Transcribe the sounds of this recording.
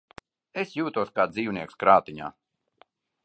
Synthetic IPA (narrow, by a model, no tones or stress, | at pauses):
esjuːt̪uɔskaːziːwniɛkskɾaːt̪iɲa̰ː